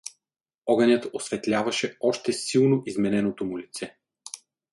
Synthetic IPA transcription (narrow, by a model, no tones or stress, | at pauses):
ɔɡɐnʲjət̪osvɛt̪lʲavɐʃɛɔʃt̪ɛsilˠnoʔizmɛnɛnot̪omulit̪sɛ